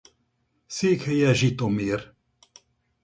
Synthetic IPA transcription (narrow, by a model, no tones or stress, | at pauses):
siːkʰəjaʒit̪omiːɾ